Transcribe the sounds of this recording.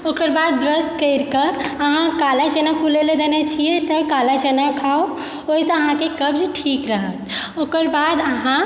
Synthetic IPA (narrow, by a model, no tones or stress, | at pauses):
okəɾbad̪bɾəskəɾkəəɦãkalat͡ʃənapʰuleled̪enet͡ʃʰijet̪ɔkalad͡ʒənakʰao | oisə̃əɦãkekəbd͡ʒʈʰikɾəɦət̪̚okəɾbad̪əɦã